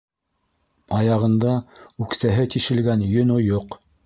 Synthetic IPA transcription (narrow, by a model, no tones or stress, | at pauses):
ɑjɑʁɤ̆nd̪ɑʉksæɦɘt̪iʃɘ̆lɡænjɵ̆nojoq